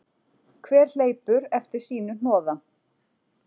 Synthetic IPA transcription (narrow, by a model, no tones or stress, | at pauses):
kʰvɛːɾ̥leːjpʏɾɛft̪ɪɾ̥siːnʏnɔːða